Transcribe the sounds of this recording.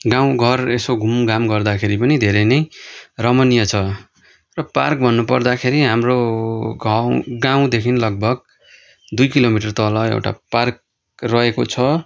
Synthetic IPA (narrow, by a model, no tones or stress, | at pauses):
ɡãw̃ɡʱʌresoɡʱumɡamɡʌrd̪akʰeɾipʌnid̪ʱeɾejnʌjrʌmʌnijʌt͡sʰʌ | rʌpa̰rk̚bʱʌnːupʌrd̪akʰeɾiɦamroɡaɡãw̃d̪ekʰinlʌɡ̚bʱʌɡ̚ | d̪ujkilomiʈʌrt̪ʌlʌḛwʈa̰park̚ | rʌekot͡sʰʌ